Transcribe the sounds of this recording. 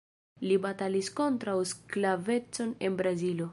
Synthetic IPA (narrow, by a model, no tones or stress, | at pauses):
libatalisko̞ntɾawsklave̞t͡so̞ne̞nbɾazilo